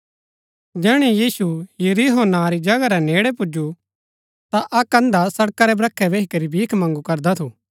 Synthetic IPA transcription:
d͡ʒɛːɽ̃ijiːsujʊɾiɦoːnaɾid͡ʒɐɡaɾɛneːɽɛpʊd͡ʒu | t̪aʔɐkɐ̃nd̪asɐɽkaɾɛbɾɐkʰːɛbeːɦikɐɾibʱiːkʰmɐ̃ŋɡukɐɾd̪at̪ʰuː

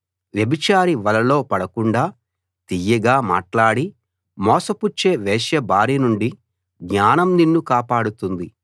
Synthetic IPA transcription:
ʋjɐbit͡ʃaːɾiʋɐlɐlo̞ːpɐɽɐkuɳɖaː | t̪ijːɐɡaːma̰ːʈlaːɽi | mɔːsɐput͡ʃːe̞ːʋɛːʃjɐbaːɾinuɳɖi | ɡɲaːnɐmninːukaːpaːɽut̪und̪i

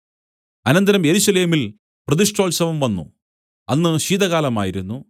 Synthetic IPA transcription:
ɐnɐnd̪ɐɾɐmje̞ɾuɕɐle̞ːmil | prɐðiʂʈo̞ːlsɐʋɐmʋɐnːṵ | ɐnːɨɕiːd̪ɐɣaːlɐma̰ːjiɾunːu

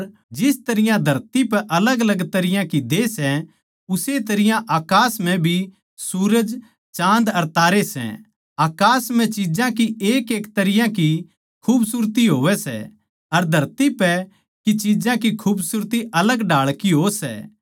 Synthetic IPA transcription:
ɾ | d͡ʒɪst̪ɐɾɪjãd̪ʱɐɾt̪ipɛʔɐləɡɐləɡt̪ɐɾɪjãkid̪esɛ | ʊset̪ɐɾɪjãʔaːkaːsmɛ̃bʱi | suːɾəd͡ʒ | t͡ʃãːnd̪ɐɾt̪aːɾesɛ̰̃ | aːkaːsmɛ̃t͡ʃid͡ʒãkieːkeːkt̪ɐɾɪjãki | kʰuːbsuɾt̪iɦoːʋɛsɛ̰ | ɐɾd̪ʱɐɾt̪ipɛ | kit͡ʃid͡ʒãkikʰuːbsuɾt̪iʔɐləɡɖaːɭkiɦoːsɛ̰ː

